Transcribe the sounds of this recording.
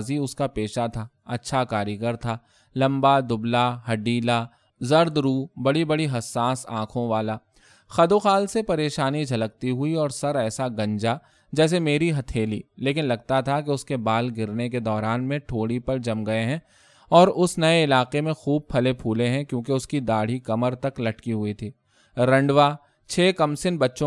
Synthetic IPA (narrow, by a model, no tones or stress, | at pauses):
ziʊskapeːʃat̪ʰaː | ɐtːʃʰakaːɾjəɡəɾt̪ʰaː | lɐ̃mbad̪ʊblaɦɐɖiːla | zɐɾd̪ɾuːbɐɽibɐɽiɦɐsːaːsã̰ːkʰõʋaːla | xɐd̪oːxaːlsepɐɾeːʃaːnid͡ʒʱɐlək̚t̪iɦʊiɔːɾsɐɾɛːsaɡɐ̃ɲd͡ʒa | d͡ʒɛːs̬emeːɾiɦɐt̪ʰeːlḭleːkɪnlɐɡ̚t̪at̪ʰakeʊskebaːlɡɪɾnek̬ed̪ɔːɾaːnmẽʈʰoːɽipɐɾd͡ʒɐmɡɐeɦɛ̃ː | ɔːɾʊsnɐeɪlaːqemẽxuːb̚pʰɐlepʰuːlẽɦɛ̃kjõːkeʊskid̪aːɽ̤ikɐməɾt̪ɐklɐʈkiɦʊit̪ʰiː | ɾɐ̃ɳɖʋaː | t͡ʃʰeːkɐmsɪnbɐtːʃõ